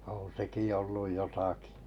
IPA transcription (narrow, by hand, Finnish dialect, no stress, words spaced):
õː seki olːuj jotɑki